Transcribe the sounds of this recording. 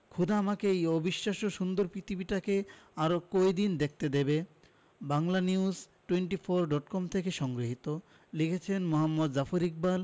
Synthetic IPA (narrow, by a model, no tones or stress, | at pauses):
kʰud̪aamakeejobiʃːaʃoʃund̪oɾpɾit̪ʰibiʈakeaɾokojd̪ind̪ek̚t̪ed̪ebe | baŋlaniuz | ʈueɳʈifʰoɾɖɔʈkɔmt̪ʰekeʃɔŋɡɾiɦit̪o | likʰet͡ɕʰenmoɦamːod̪zafoɾik̚bal